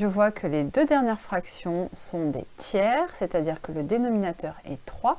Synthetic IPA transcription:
ʒəvwakʰəled̪ød̪ɛʁnjɛʁfχaksjɔ̃sɔ̃d̪ḛt̪jɛʁset̪ad̪iʁkələd̪enɔminat̪œʁɛ̰t̪χwa

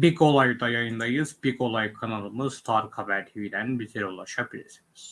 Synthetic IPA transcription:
bikʰo̞lˠajd̪ajajɯnd̪ajɯzbikʰo̞lˠajkʰanalˠɯmɯz̥t̪ʰaɾkʰavæɾt̪ʰiid̪ænbit̪ʰiɾulˠaʃabilʲḭɾsiniz̥

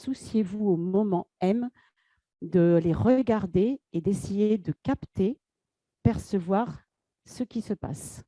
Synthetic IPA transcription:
susjevuomɔmɑ̃ɛm | d̪əleʁəɡaʁd̪eːd̪esejed̪əkapt̪e | pɛʁsəvwaʁ | səkʲisəpa̰s

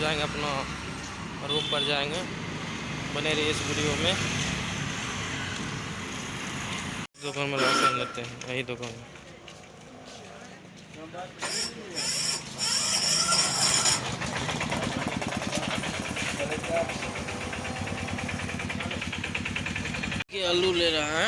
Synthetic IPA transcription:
d͡ʒaːẽŋɡɐpna | ɾoːk̚pəɾd͡ʒaːẽːŋɡe | bəneːɾeɪsbɪɽijomẽ | d̪ʊkaːnmẽɾaãd͡ʒat̪eɦɛ̃əɦid̪ʊkanmẽ | a | keɐluleɾɐɦ

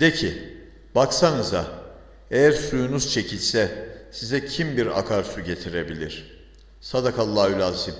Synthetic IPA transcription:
d̪̥ecʰi | baksanɯza | ejæɾsujunuz̥t͡ʃʰe̞cʰilʲsɛsizɛcʰimbiɾa̰kʰaɾsuɟe̞t̪ʰiɾe̞bilʲiɾ̝̥ | sad̪akʰalˠːaylʲazsi

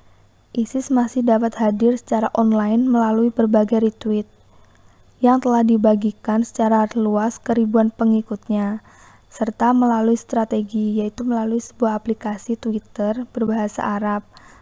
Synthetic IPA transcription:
ʔisɪsmasɪhdapat̪hadɪrsə̥t͡ʃaɾaʔɔnlajnməlaluibərbaɡajɾit̪uwɪt̪̚ | jaŋt̪əlahdibaɡikansə̥t͡ʃaɾaluaskəɾibuanpəŋikut̪̚ɲa | sərt̪aməlaluist̪ɾat̪eɡijait̪uməlaluisə̥buahɦːplikasit̪wit̪ərb̥ərbaɦasa̰ʔːɾap̚

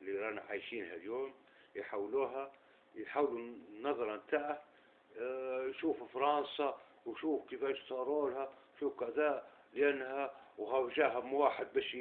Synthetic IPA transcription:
liɾˤɑnaʕaːjʃiːnhaljoːm | jħawluːɦa | jħaːwlunːɑðˤɑɾˤɑnt̪aʕh | jʃuːfɪfɑɾˤɑnsɑ | wʃuːfkifæːʃt̪ɑɾˤoːlhaʃuːfkad̪alʔanːhawɦawʒaːɦamwaːħɪd̪̚baːʃ

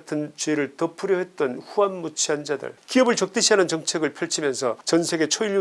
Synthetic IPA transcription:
tʰɯnt͡ɕɥeɾɯɭtʌpʰɯɾjʌɦe̞t̚t͈ʌnɸuanmut͡ɕʰiɦand͡ʑadɯ̰ɭkiʌbɯɭt͡ɕʌk̚t͈ɯɕʰiɦanɯnt͡ɕʌŋt͡ɕʰe̞ɡɯɭpʰjʌɭt͡ɕʰimjʌnsʰʌt͡ɕʌnsʰeɡe̞t͡ɕʰoiɭːu

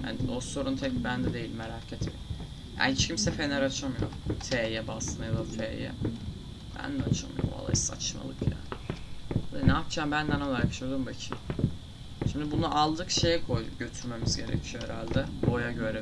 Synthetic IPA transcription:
ja̰nd̪oso̞ɾunt̪ʰɛibænd̪ɛd̪e̞jilʲmːeɾaːcʰet̪ʰḛ | ja̰ːhit͡ʃcʰimsɛfenɛɾat͡ʃʰamɯjo̰t̪ʰeːjɛbasnajlˠat̪ʰeːjɛ̰ | bæ̰nd̪ɛat͡ʃʰamɯ̰jo̰ma̰lˠa̰jisa̰t͡ʃma̰lˠɯkʰja̰ːɪalinɛapt͡ʃʰaːmbænd̪ænolˠajkʰʃud̪ˠumbecʰim | ʃimd̪ibunuʔalˠd̪ɯkʃe̞jɛkʰo̞jɟøt̪ʰyɾme̞mizɟe̞ɾɛ̰cʰioɛɾa̰lʲd̪ɛbojaɟøɾe

